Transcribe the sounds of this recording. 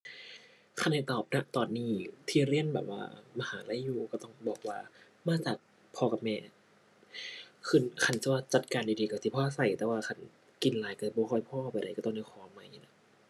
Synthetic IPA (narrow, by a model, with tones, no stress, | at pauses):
kʰa˧˩nha˧˩jt̪ɔː˨˩p̚na˧ʔt̪ɔː˨˩nːiː˧˩t̪ʰiː˧˩ɾi˧˥˩ənbɛ̰ː˨˩p̚wa̰ː˧˩ma˧haː˨˦la˧˥˦juː˧kɔː˧˩t̪ɔ˧˥˩ŋbɔː˨˩k̚waː˧ | maː˧˥˩t͡ɕaː˨˩k̚ | pʰɔː˧ka˧mɛː˧˩ | kʰɯ˧˩˨nkʰa˧˩nsi˧˦waː˧˩t͡ɕa˨˩t̪̚kaː˧ndi˨˧diː˧ka˧˩siː˧˩pʰɔː˧ʔa˧˩sa˨˩jt̪ɛː˧˩˦waː˧kʰa˧˩n | ki˧nlaː˨˦jka˧˩˧bɔː˧xʰɔ˧˩jpʰɔː˧˨ʔpa˧˨jɾa˧˩kaː˧˩t̪ɔː˧˩ndi˧˩kʰɔː˨˦ma˧˥˩jna˧˥